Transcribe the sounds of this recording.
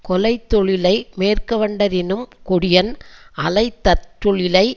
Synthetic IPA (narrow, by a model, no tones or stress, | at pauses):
kɔlɐɪt̪ːɔɭɪlɐɪmeːrkɐʋɐɳɖɐɾɪnɯmkʊɽɪjɐnʔɐlɐɪt̪ːɐʈːɔɭɪlɐɪ